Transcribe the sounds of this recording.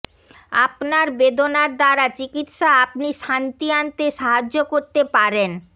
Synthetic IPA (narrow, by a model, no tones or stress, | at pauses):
a̰pnaɾbed̪onaɾd̪aɾat͡ɕikit̪ʃaapniʃant̪iant̪eʃaɦad͡ʑːokoɾt̪epaɾen